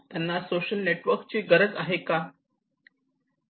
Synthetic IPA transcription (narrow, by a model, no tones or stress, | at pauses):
t̪janːasoɕəlneʈʋəɾkt͡ɕeɡəɾəd͡zaɦeka